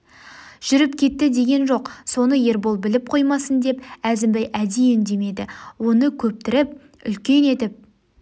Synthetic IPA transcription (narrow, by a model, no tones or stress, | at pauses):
ʒ̥ʏɾɪp̚kʲʰe̞t̪ːɪd̪e̞ɡʲe̞nʒo̞qso̞nəje̞ɾbolˠbɪlɪp̚qʰo̞jmɑsənd̪e̞pæzɪmbæjʔæd̪ijɪnd̪e̞me̞d̪ɪwo̞nəkʲʰɵp̚t̪ɪɾɪp̚ | ʏ̰lkʲe̞ne̞t̪ɪp̚